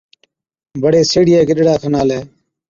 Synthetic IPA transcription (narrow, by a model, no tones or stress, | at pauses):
bəɽeːseːɽɪjeːkəɗɽaːt̪ʰənaːleː